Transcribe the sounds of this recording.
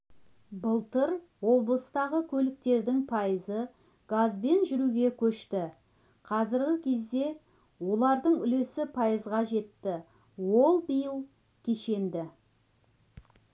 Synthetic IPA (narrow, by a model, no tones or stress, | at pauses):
bəlˠt̪əɾ | wo̞blˠəst̪ɑʁəkʲʰɵlɪk̚t̪e̞ɾd̪ɪŋpʰɑjəzə | ɡ̥azbe̞nʒʏɾuɡʲe̞kʲʰɵʃt̪ɪ | qʰɑzɪɾɡʲɪkʲʰe̞zd̪e̞ | wo̞lˠɑɾd̪əɴʏle̞sɪpʰɑjəzʁɑʒe̞t̪ːɪ | wo̞lˠbijəlˠ | kʲʰe̞ʃe̞nd̪ɪ